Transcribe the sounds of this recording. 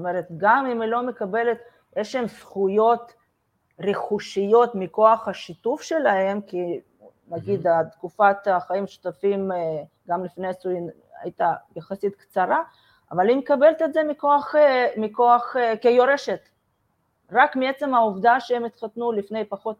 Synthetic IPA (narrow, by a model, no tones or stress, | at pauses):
omeɾet̪ɡamimilo̞mekabelet̪ | jeʃlemsχujo̞t̪ | reχuʃijo̞t̪miko̞aχhaʃit̪ufʃelaɦe̞mki | naɡid̪at̪kufat̪aχaimʃu̥t̪afim | ɡamlifnesu | a̰jt̪ajaχasit̪kt͡saɾa | a̰valimekabe̞lt̪et̪ze̞miko̞aχemiko̞aχkejoɾeʃet̪ | ɾakmiet͡semauvd̪aʃeemit̪χat̪nulifne̞jpaχo̞t̪